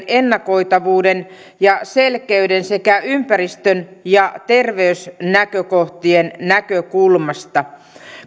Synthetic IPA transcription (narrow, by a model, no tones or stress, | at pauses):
enːɑko̞it̪ɑʋuːden | jɑselkeydensekæympærist̪ønjɑt̪erʋeysnækøkoht̪iennækøkulmɑst̪ɑ